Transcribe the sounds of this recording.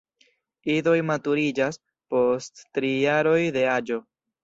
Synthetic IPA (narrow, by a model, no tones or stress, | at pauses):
ido̞jmatuɾid͡ʒas | po̞stːɾijaɾo̞jde̞ad͡ʒo̞